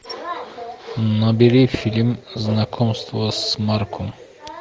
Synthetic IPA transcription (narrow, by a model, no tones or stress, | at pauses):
nɐbiɾifʲilʲmznakʰomst̪vəsmaɾkʰum